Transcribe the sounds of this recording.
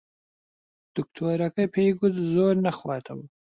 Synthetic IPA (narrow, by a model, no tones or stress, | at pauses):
d̪̥ʊk̚t̪ʰoːɾakəjpʰeɡud̪zoːɾnaxwɑːt̪ʰawu